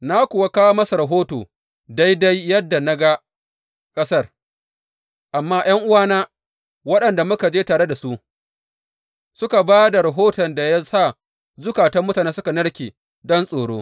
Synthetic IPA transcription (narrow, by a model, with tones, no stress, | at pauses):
na˦kʷʊ˨wa˦kaː˦wo˦mɐ˦sa˨ɾɐ˨ɦoː˦toː˨ | da˦jda˦jːɐ˦dːa˨na˦ɡa˦ | kʼɐ˦sɐ˦r | ʔa˨mːaː˦j̰ɐ˦ŋʔʊ˦waː˦naː˦ | wɐ˦ɗɐ˨nda˨mʊ˦ka˨d͡ʒeː˦taː˨ɽe˦da˨su˦ʔ | sʊ˦ka˨baː˦da˨ɾa˨ɦoː˦tɔ˨nda˨ja˦saː˦˨ | zʊ˦kaː˨tɐ˦mːʊ˦taː˨neː˦sʊ˦ka˨nɐ˦ɽkʲeː˨ | dɔ˦nsʼoː˨ɽo̰ː˦